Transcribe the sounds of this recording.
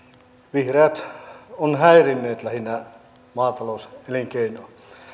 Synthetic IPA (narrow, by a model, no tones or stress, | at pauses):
ʋihreːt̪onhæirinːeːt̪læhinːæ | mɑːt̪ɑlouseliŋkeinoː